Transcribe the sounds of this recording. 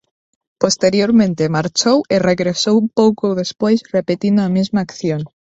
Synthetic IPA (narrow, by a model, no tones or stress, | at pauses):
post̪eɾjoɾmẽnt̪emaɾt͡ʃowereɣɾesowpowkowðespojsrepet̪ind̪oamizmaːkθjon